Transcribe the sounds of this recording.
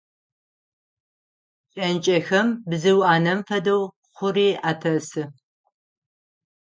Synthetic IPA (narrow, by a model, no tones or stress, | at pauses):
t͡ʃʼɐnt͡ʃʼɐxɐmbzɨwaːnɐmfɐdɐw | χʷʊriːʔaːtʰɐsɨ